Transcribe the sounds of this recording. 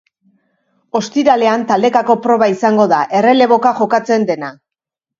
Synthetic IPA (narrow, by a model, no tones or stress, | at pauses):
o̞st̪iɾale̞ant̪ald̪e̞kako̞pɾo̞βaisaŋɡo̞ðaʔe̞re̞le̞βo̞kaʝo̞kat͡se̞nd̪e̞na